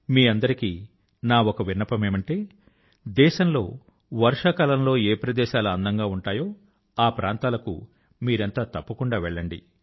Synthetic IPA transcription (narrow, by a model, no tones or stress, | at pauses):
miːɐnd̪ɐɾiki | naːokɐʋinːɐpɐme̞ːmɐɳʈe̞ː | d̪ɛːʃɐmlo̞̰ː | ʋɐɾʂɐkaːlɐmlo̞ːeːpɾɐd̪ɛːʃaːlɐɐnd̪ɐŋɡaːuɳʈaːjoː | aːpɾʔaːnt̪aːlɐkṵ | miːɾent̪aːt̪ɐpːɐkuɳɖaːʋɛɭːɐɳɖḭ